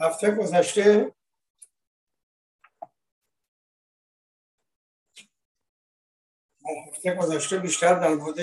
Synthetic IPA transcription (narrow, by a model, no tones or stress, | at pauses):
hæft̪ʰeɡozæʃt̪e | hæft̪ʰeɡozæʃt̪ebiʃt̪æɾd̪ænbod̪e